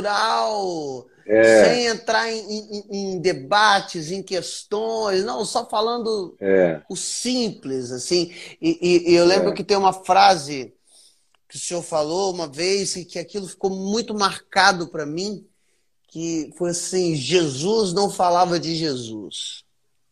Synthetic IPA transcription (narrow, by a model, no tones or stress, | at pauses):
ɾaw | ɛsẽj̃ẽnt̪ɾaɾẽj̃ẽj̃ẽẽj̃d̪ebat͡ʃɪzẽj̃kest̪õj̃snɐ̃w̃sɔfalɐ̃nd̪ʊɛʊsĩplɪzasĩɪʔɪʔewlẽmbɾʊkɪt̪ẽj̃ũmɐfɾazɪ | kɪʊseoɾfaloũmɐvejsɪkɪakilʊfi̥komũj̃t̪ʊmaɾkad̪ʊpɾɐmĩ | kɪfojasĩʒezuznɐ̃w̃falavɐd͡ʒɪʒezṵs